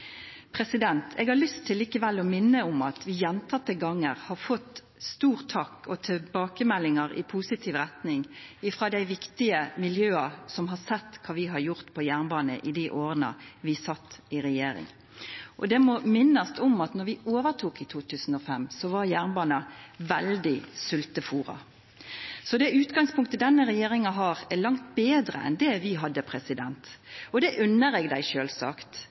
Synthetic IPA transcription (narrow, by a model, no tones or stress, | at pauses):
pʰɾɛsɪd̪ɛnt̪ʰɛɡhɑlʏst̪ʰːɪlːiːkəʋɛlɔmɪnːəʊmɑt̪ʰʋɪjɛnt̪ʰɑt̪ːəɡɑŋːəɾhɑɾfɔt̪ | st̪uːʁt̪ʰːɑkɔt̪ʰɛbɑːkəmɛlːɪŋɑɾɪ̰pʰusɪt̪ʰiːʋɾɛt̪nɪŋɪfɾɑːd̪æɪʋɪkt̪ɪəmɪljøːɑsɔmɦɑɾsɛt̪ːkʰɑːʋɪɦɑɾjʊʁt̪pʰɔjæːʁnbɑːnə̰ʔɪd̪iʔoːʁənə̰ʋɪsɑt̪ːɪɾɛjeːɾɪ̰ŋ | ʔɔd̪ɛmɔmɪnːəst̪ɔmɑt̪nɔɾʋɪoːʋəɾt̪ʰuːkɪt̪ʰuːt̪ʰʉːsn̩ɔfɛmːsɔʋɑɾjæːɾnbɑːnɑʋɛld̪ɪsʉlt̪əfuːɾɑ̰ | sɔd̪ɛʉːt̪ɡɑŋspʰʊŋkt̪əd̪ɛnːəɾɛjeːɾɪŋɑɦɑːɾɛɾlɑŋt̪beːd̪ɾə̰ɛ̰nd̪ɛʋɪɦɑd̪ːəpʰɾɛsɪd̪ɛnt̪ɔd̪ɛʔʉnːəɾɛːɡd̪æɪʃøːlsɑ̰kt̪